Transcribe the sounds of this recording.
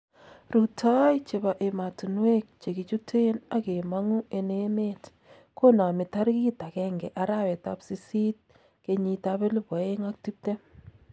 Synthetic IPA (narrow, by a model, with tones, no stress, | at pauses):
ɾu˨tʰa˦jt͡ʃe˨ba˨ʔe˨ma˨tu˨nwe˦k̚t͡ʃe˨ki˨t͡ʃu˦tʰe˦na˦ke˨ma˦ŋu˦ʔe˨ne˦me˦t | ko˦na˨mɪ˨ta˦ɾki˦ta˨kɛ˦ŋɡɛ˨ʔa˨˦ɾa˦˨wɛ˨ta̰˦psi˦si˦t̚ | ke˨ɲi˨ta˦βɛ˦lʊ˦bɔ˨e˦ŋa˦k̚ti˦p̚tɛ˦